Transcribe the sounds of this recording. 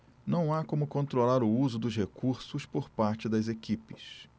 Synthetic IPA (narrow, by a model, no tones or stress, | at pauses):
nɐ̃w̃akõmʊkõnt̪ɾolaɾʊuzʊd̪ʊzɦekuɾsʊspoɾpaɾt͡ʃɪd̪ɐzekipɪ̥s